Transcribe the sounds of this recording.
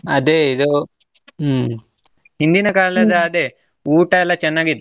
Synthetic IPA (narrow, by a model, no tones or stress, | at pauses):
ɐd̪eːid̪u | hind̪inɐkaːlɐd̪ɐːd̪e | uːʈɐɛlːɐt͡ʃɛnːaːɡid̪